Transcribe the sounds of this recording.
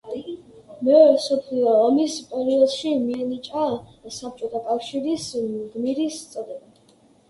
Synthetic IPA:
mɛɔɾɛsɔpʰliɔɔmispʼɛɾiɔlˠʃimiɛnit͡ʃʼasap̚t͡ʃʼɔt̪ʰakʼafʃiɾisɡmiɾist̪sʼɾɛba

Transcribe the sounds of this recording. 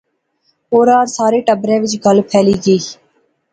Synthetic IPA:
oːɾaːɾsaːɾeːʈəbɾẽːʋɪt͡ʃɡʱəlpʰɛːliːɡəiː

